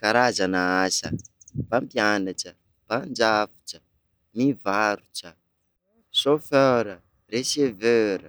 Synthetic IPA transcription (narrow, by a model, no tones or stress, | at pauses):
kaɾazanaasə̰bampjanaʈ͡ʂə | pand͡ʒafu̥ʈ͡ʂə | mivaɾuʈ͡ʂə | soføɾə | resevøɾə